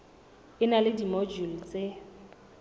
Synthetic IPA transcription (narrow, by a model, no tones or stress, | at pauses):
ɪnalɪdimɔd͡ʒul̩t͡sʼe